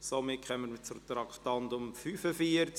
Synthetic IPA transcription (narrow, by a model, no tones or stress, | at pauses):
somɪkχœmənt͡sʊɾt̪ɾɑkχtɑndʊmfyːfəfiəɾt͡s